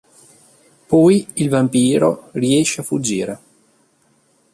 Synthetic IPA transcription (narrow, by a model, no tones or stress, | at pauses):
pɔjilvampiːɾoriɛʃːeafud͡ʒːiːɾe